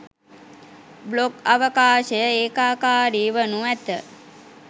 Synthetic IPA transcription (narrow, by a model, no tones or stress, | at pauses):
blokaʋəkaːʃəjəeːkaːkaːɾiːʋənuæt̪ə